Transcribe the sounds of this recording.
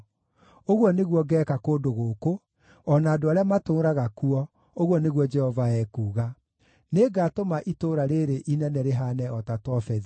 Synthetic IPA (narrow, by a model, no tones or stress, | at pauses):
oɣwɔneɣwɔɡɛːkakoːdoɣoːko | ɔnaːdoaɾeamatoːɾaɣakuɔ | oɣwɔneɣwɔd͡ʒɛhɔvaɛkuːɣa | neɡatomaʔitoːɾaɾeɾeʔinɛnɛɾeɦanɛɔtatwɔfɛði